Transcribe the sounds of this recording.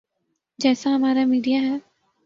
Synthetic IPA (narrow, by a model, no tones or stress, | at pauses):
d͡ʒɛːsaɦɐmaːɾamiːɖijaɦɛː